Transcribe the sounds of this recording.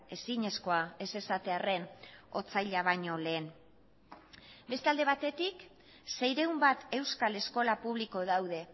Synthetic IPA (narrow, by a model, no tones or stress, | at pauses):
e̞siɲe̞sko̞ae̞se̞sat̪e̞are̞no̞t͡sajʎaβaɲo̞le̞ːn | be̞st̪eald̪e̞β̞at̪e̞t̪ik | se̞jɾe̞umbat̪e̞wskale̞sko̞lapuβ̞liko̞ðawðe̞